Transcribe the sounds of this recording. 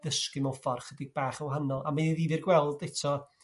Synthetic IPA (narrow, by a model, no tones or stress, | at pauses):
ðəskɪmɔfɔrχədɪɡ̚b̥aːχawɦanɔlˠa̰maniðivɨrɡwɛlˠdɛtʰɔ